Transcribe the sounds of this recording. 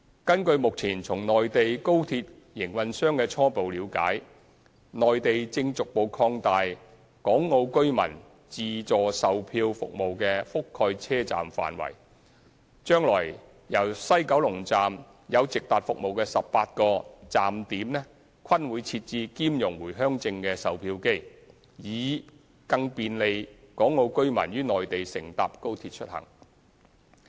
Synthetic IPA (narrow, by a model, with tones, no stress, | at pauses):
kɐ˥nkɵ˧ɥmʊ˨k̚t͡sʰiː˨˩nt͡sʰʊ˨˩ŋnɔː˨jt̪e˨jko˥wt̪ʰiː˧t̚ | jɪ˨˩ŋwɐ˨nsœː˥ŋkɛː˧t͡sʰɔː˥po˨wliː˨˧wka̰ː˨˥j | nɔː˨jt̪e˨jt͡sɪ˧ŋt͡sʊ˨k̚po˨˧wkʰɔː˧ŋt̪aː˨j | kɔː˨˥ŋːo˧wkɵ˥ɥmɐ̰˨˩n | t͡siː˨˧t͡sɔː˨˩sɐ˨wpʰiː˧wfʊ̰˨k̚mo˨wkɛː˧fʊ˥kʰːɔː˧jt͡sʰɛː˥t͡sa̰ː˨mfa̰ː˨nwɐ̰˨˩j | t͡ʃœː˥ŋlɔ̰ː˨˩j | jɐ˨˩wsɐ˥jkɐ˨˥wlʊ˨˩ŋt͡saː˨m | jɐ˨˧wt͡sɪ˨k̚t̪aː˨t̚fʊ˨k̚mo˨wkɛː˧sɐ˨p̚paː˧t̚kɔː˧t͡saː˨mt̪iː˨˥mnɛː˥ | kʰɐ˥nwuː˨˧jt͡sʰiː˧t̚t͡siː˧kiː˥mjʊ˨˩ŋwuː˨˩jɦœː˥ŋt͡sɪ˧ŋkɛː˧sɐ˨wpʰiː˧wke˥j | jiː˨˧ | kɐ˧ŋpiː˨˧nle˨˧jkɔː˨˥ŋːo˨˧wkɵ˥ɥmɐ̰˨˩njyː˥nɔː˨˩jt̪e˨jsɪ̰˨˩ŋt̪aː˨p̚ko˥wt̪ʰiː˧t̚t͡ʃʰɵ˥t̚hɐ̰˨˩ŋ